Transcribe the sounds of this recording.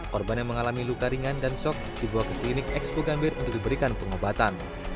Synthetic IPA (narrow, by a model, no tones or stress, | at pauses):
kɔrbanjaŋməŋalamilukaɾiŋandansɔk̚d̥ibawakəklinɪkɛkspoɡambɪrṵnt̪ʊk̚dibəɾikanpəŋobat̪an